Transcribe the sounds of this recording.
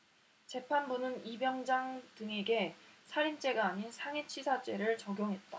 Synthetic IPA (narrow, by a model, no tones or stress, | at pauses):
t͡ɕe̞pʰanbunɯnibjʌŋd͡ʑaŋdɯŋe̞ɡe̞sʰaɾint͡ɕ͈e̞ɡaːɲinsʰaŋet͡ɕʰisʰat͡ɕ͈e̞ɾɯɭt͡ɕʌɡjoŋɦe̞t̚t͈a